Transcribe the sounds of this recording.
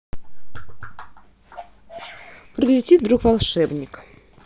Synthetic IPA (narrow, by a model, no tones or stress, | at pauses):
pɾʲɪlʲɪtʲit̪̚d̪ɾukvɐlˠʂɛbnʲɪk